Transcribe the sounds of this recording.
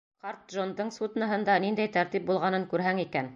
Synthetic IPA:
qɑɾt̪̚ʒond̪ɤɴsut̪nɑɦɤ̆nd̪ɑnind̪æjt̪æɾt̪ip̚bulˠʁɑnɤŋkʉɾɦæŋikæn

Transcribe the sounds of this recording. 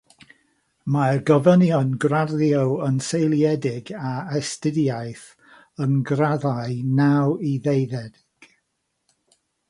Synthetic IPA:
marɡəvənjɔnɡrarjowənsejlˠjɛdɪɡaɛstɪdjajθ | ənɡraðaɨnawiðejðɛdɪɡ̥

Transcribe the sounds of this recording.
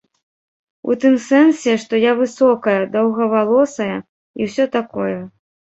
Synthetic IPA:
ṵt̪ɨmsɛnsʲɛʂt̪ɔjavɨsɔkɐjɐd̪ɐwɣɐvalˠɔsɐjɐ | iwsʲɔt̪akɔjɛ

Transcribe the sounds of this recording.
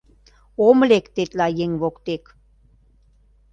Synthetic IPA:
oməlekt̪et̪lajeŋʋokt̪ek

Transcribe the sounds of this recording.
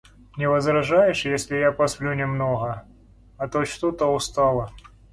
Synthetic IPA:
nʲɪvɐzɾɐʐajɪʂjesʲlʲɪjapɐsplʲunʲɪmnoɣə | ɐt̪ot͡ɕt̪ot̪oʊst̪alˠə

